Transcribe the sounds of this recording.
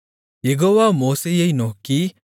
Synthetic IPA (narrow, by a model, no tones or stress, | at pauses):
eɡɔwamosejejnɔki